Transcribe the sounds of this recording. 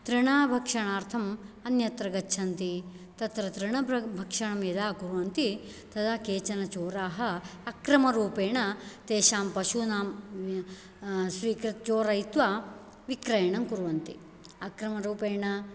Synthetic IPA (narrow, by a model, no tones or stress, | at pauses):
t̪ɾiɳaːbʱɐkʂɐɳaːɾt̪ʰɐmɐnjɐt̪ɾɐɡɐtːʃʰɐnt̪i | t̪ɐt̪ɾɐt̪ɾiɳɐbʱɐkʂɐɳɐmjɐd̪aːkuɾuʋɐnt̪i | t̪ɐd̪ʰaːkeːt͡ʃɐnɐt͡ʃoːɾaːɦɐɐkɾɐmɐɾuːpeːɳɐt̪eːʃaːmpɐʃunaːm | sʋiːkɾit̪t͡ʃoːɾɐjit̪ʋa | ʋikɾɐjɐɳɐmkuɾuʋɐnt̪i | ɐkɾɐmɐɾuːpeːɳɐ